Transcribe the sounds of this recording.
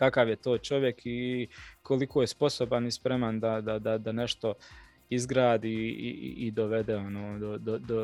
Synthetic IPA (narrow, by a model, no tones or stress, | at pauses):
kakaːʋjet̪oːt͡ʃo̞ʋjekʰikʰo̞likʰo̞ːjespo̞sobanispɾemand̪ad̪ad̪ad̪ane̞ʃt̪o̞ | izɡɾaːd̪iːḭːd̪oʋe̞d̪eo̞noːd̪od̪od̪o